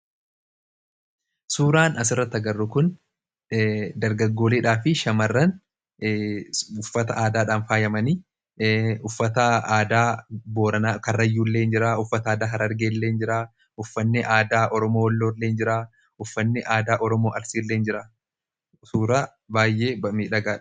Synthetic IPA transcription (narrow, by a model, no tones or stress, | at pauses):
suːɾaːnɐs̬ɪrːɐt̪ːɐɡɐrːʊkʊn | d̪ɐɾɡɐɡːo̞ːleːᶑaːfɪʃɐmɐrːɐn | ʊfːɐt̪ɐʔaːd̪aːᶑaːnfaːjɐmɐni | ʊfːɐt̪ɐaːd̪aːboːɾɐnaːkɐrːɐjːuːlːe̞ːnd͡ʒɪɾaːʊfːɐt̪ɐaːd̪aːɦɐɾɐɾɡeːlːe̞ːnd͡ʒɪɾaː | ʊfːɐnːɪʔaːd̪aːʔɔɾɔmoːlːoːɾleːnd͡ʒɪɾaː | ʊfːɐnːɪʔaːd̪aːʔɔɾɔmoːʔɐɾsiːlːeːnd͡ʒɪɾaː | suːɾaː | baːjːe̞ːɐmiːᶑɐɡaːᶑ